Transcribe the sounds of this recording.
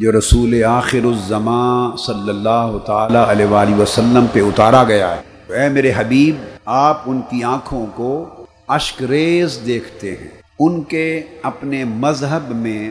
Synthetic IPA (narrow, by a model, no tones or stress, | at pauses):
d͡ʒoːɾɐsuːleaːxɪɾʊzɐmãːsɐlːəlːaːɦʊt̪aːlaʔɐleʋaːliʋɐsɐlːəmpeʊt̪aːɾaɡɐjaɦɛː | ɛːmeːɾeɦɐbiːbaːpʊnkiãːkʰõko | ɐʃkɾeːzd̪eːkʰt̪eɦɛ̰̃ː | ʊnkeɐpnemɐzɦəbmẽ